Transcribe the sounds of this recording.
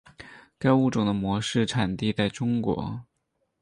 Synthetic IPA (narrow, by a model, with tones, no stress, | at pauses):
ka˥ɪu˥˩ʈ͡ʂʊ˨˩ŋd̪ə˦mwɔ˧˥ʂɻ̩˥˩ʈ͡ʂʰa˨˩nt̪i˥˧tt͡sa˥˩ɪʈ͡ʂʊ˥ŋkwɔ̰˧˥